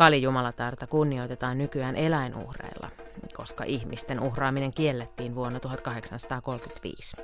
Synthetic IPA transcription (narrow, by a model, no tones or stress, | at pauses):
kɑlijumɑlɑt̪ɑrt̪ɑkunːiojt̪et̪ɑːnnykyæːnʔelæinʔṵhrḛːlːɑ̰ko̞skɑ̰ʔihmist̪enʔuxrɑːmineŋkielːet̪ːiːnʋuonːɑt̪uɦɑt̪kɑɦe̞ksɑnsɑt̪ɑːko̞lkyt̪ʋḭːs